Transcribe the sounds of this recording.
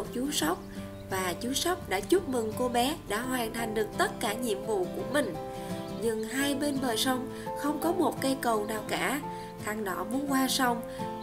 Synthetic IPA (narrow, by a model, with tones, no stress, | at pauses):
o˨˩t̚t͡ɕu˨˦sa˦˥wk͡p̚ | vaː˨˩t͡ɕu˨˦sa˦˥wk͡p̚ɗa̰ː˧˥t͡ɕu˦˥p̚mɨ˨˩ŋko˧ɓɛ˨˦ɗa̰ː˧˥ɦwaː˨˩nt̪ʰa˨˩jŋ̟ɗɨ˨˩ək̚t̪ə˦˥t̚kaː˧˩ɲḭ˧˨əmvṵ˧˨ku˧˩əmï˨˩ŋ̟ | ɲɨ˧˩ŋɦaː˧jɓe˧nɓəː˨˩jsa˧wŋ͡m | xə˧wŋ͡mkɔ˨˦mo˨˩t̚kə˧jkə˨˩wnaː˨˩wkaː˧˩ | xaː˧ŋɗɔ˧˩mu˨˦ənkwaː˧sa˧wŋ͡m